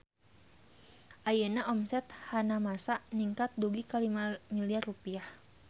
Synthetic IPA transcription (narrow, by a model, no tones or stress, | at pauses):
ʔajənaʔɔmsɛt̪hanamasaniŋkat̪̚duɡikalimamiliarːupiah